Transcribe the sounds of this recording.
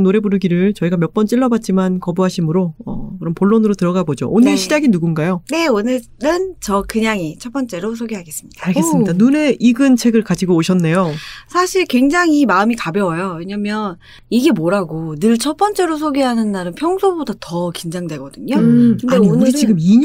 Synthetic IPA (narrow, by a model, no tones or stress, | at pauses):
ŋnoɾe̞buɾɯɡiɾɯɭt͡ɕʌiɡamjʌp͈ʌnt͡ɕ͈iɭːʌbat̚t͡ɕ͈imankʌbuɦaɕʰimɯɾoʌkɯɾʌmpoɭːonɯɾotɯɾʌɡabod͡ʑo̰ʔonɯɭɕʰid͡ʑaɡinuɡunɡajone̞onɯɭ | ɾɯnt͡ɕʌkɯɲaŋit͡ɕʰʌp͈ʌnt͡ɕ͈e̞ɾos̬ʰoɡiɦaɡe̞s͈ɯmɲid̥aɡes͈midanune̞iɡɯnt͡ɕʰe̞ɡɯɭkad͡ʑiɡoːɕʰʌnːe̞josʰaɕʰiɭkwe̞ŋd͡ʑaŋimaɯmikabjʌwʌjowe̞ɲamjʌn | iɡe̞moɾaɡonɯɭt͡ɕʰʌp͈ʌnt͡ɕ͈e̞ɾosʰoɡiɦanɯnːaɾɯnpʰjʌŋsʰobodatʌkind͡ʑaŋdwe̞ɡʌdɯɲokɯneonɯit͡ɕiɡɯmiɲ